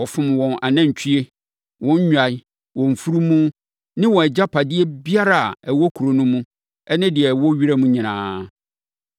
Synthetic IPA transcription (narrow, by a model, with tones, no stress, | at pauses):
ɔ˨fʊ̃˦mwɔ̃˨nʔa˨nã˦ɲ̩˨t͡ɕʰᶣi˦e˦ | wɔ̃˦ɲ˦ɲᶣ˦a˨i˦ | wɔ̃˨ɱ̩˨fu˦ɾu˦mũ˦ | nɪ̃˦wɔ̃˨ɛ˨d͡ʑa˦pʰa˨dɪ˦e˦bi˦a˦ɾa˨a˨ɛ˨wɔ˦kʰu˨ɾo˨nũ˦mũ˦ | ɛ˦nɪ̃˦dɪ˨ɛ˨wɔ˦ɥi˦ɾa˦mũ˦ɲĩ˨nãː˨˦